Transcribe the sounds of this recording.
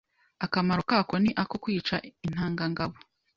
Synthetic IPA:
akamaɾokako̞niʔako̞kwiːt͡ʃain̥haːŋɡaŋɡaβo

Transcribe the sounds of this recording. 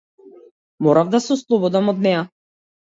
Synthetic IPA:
mɔɾavd̪asɛɔslˠɔbɔd̪amɔd̪nɛja

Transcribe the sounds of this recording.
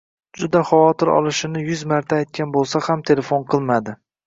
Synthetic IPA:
d͡ʒʊd̪aχɑwɒt̪ɪɾɒ̰lˠɪʃɪnɪjʊzmaɾt̪ʰaːjt̪̚kʲanbolˠsahamt̪ʰe̞le̞fonqʰɨlˠmad̪ɪ

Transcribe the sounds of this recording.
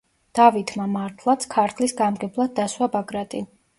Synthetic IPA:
d̪̥avit̪ʰmamaɾt̪ʰlˠat̪sʰkʰaɾt̪ʰlisɡamɡɛblˠad̪̚dːaswabaɡɾat̪ʼin

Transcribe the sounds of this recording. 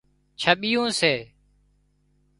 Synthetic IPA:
t͡ʃʰəɓɪjõːseː

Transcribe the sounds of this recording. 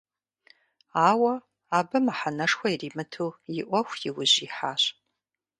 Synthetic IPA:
aːwɐ | aːbɐmaħanɐʂxʷɐiriːmɨtʰuːjɪʔʷɔxʷjɪwʊʑiːħaːɕ

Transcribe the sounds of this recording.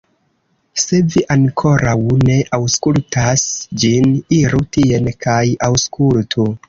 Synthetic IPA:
se̞viʔaŋkʰo̞ɾʔawne̞ʔawskultʰasd͡ʒiniɾutie̞nkʰajawskʰultʰu

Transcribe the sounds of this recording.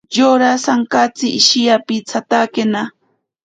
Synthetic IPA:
joɾasaŋkat͡sɪʔːʃijapɪt͡sʰat̪akena

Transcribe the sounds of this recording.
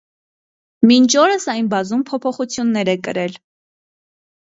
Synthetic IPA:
mint͡ʃʰɔɾəsɑjnbɑzumpʰɔpʰɔχut͡sʰjunːɛɾɛkə̰ɾɛl

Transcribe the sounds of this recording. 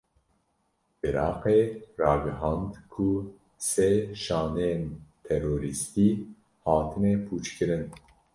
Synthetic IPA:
ʔɪɾɑːqerɑːɡɨɦɑ̃ːnd̪kʰu | seʃɑːnejent̪ʰɛɾoːɾist̪iː | hɑːt̪ʰɨmepʰuːt͡ʃkɨɾɨn

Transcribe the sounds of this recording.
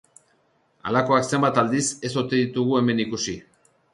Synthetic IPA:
a̰lako̞akse̞mbat̪ald̪ise̞so̞t̪eðit̪uɣue̞me̞nikusi

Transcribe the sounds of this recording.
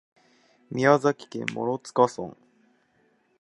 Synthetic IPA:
mʲiazakʲi̥kẽ̞̰mːo̞̰ɾot͡sɨ̥kasõ̰ŋ

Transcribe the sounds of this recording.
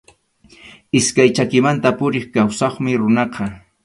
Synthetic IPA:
ɪskajt͡ʃakɪmant̪apʊɾɪχkawsɑχmɪɾʊnɑqɑ

